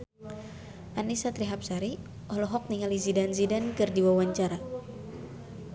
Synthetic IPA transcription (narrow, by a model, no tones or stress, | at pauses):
ʔanisat̪ɾiɦap̚saɾi | ɔlɔɦɔk̚niŋalizidanzidankɨrdiwawaɲt͡ʃaɾa